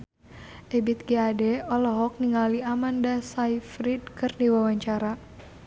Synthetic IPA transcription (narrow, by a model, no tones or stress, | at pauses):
ʔɛbit̪̚ɡeadɛɔlɔɦɔk̚niŋaliamandasaifɾidkɨrniwawaɲt͡ʃaɾa